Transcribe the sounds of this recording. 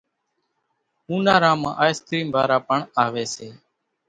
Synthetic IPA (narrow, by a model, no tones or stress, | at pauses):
ũːnaːɾãːmã̰ːʔaːjst̪ɾiːmbaːɾaːpəɳaːʋeːseː